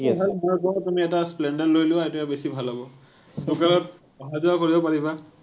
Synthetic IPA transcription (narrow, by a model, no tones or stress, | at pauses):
bʱalmɔjkɔtumiɛtasplɛndɛɹlojlʊ̃ejtabesibʱalabɔ | dukalɔt̚ | ɔɦazuakoɹibɔpaɹiba